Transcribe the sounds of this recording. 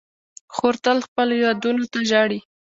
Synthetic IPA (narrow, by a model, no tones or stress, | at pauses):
xoɾt̪əlxpəlojɑd̪unot̪aʒɑɽi